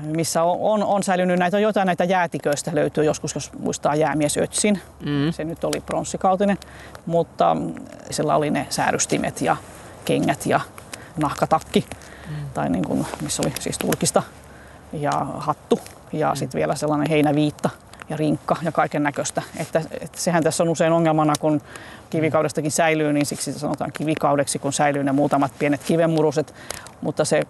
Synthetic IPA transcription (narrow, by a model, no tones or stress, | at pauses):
misːæoononsælynːynæit̪ojoit̪ɑinæit̪æjæːt̪ikøist̪æløyt̪yːjoskusjosmṵist̪ɑːjæːmiesø̰t̪sin | senyt̪olipronsːikɑut̪inen | mut̪ːɑ̰silːæ̰o̰linḛsæ̰ːryst̪imʔḛt̪jɑ̰ | keŋːæt̪jɑ̰ | nɑhkɑt̪ɑkːit̪ɑinḭːŋkṵnmisːo̰lisḭːst̪urkist̪ɑ | jɑ̰hɑt̪ːu | jɑ̰sit̪ʋielæselːɑneheinæʋiːt̪ːɑ | jɑriŋkːɑjɑkɑikenːækøst̪æet̪ːæḛt̪sehænt̪æsːonuseinoŋːelmɑnɑkunkiʋikɑwɾest̪ɑkinsæilyːninsiksit̪æsɑnot̪ɑ̰ːŋkiʋikɑudeksikunsæilyːnemuːt̪ɑmɑt̪̚pienet̪kiʋemːuruset̪ | mut̪ːɑse